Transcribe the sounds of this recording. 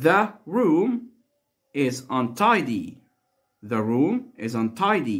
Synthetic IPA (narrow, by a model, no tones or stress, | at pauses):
ðəɹũm | ɪzə̃ntʰaɪdi | ðəɹũmɪzə̃ntʰaɪdi